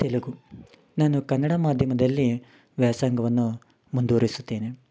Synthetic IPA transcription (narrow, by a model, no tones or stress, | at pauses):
t̪eluɡu | naːnukɐnːɐɽɐmaːd̪ʱjɐmɐd̪ɐlːi | ʋjaːsaːŋɡɐʋɐnːu | mund̪uːɾisut̪ːeːne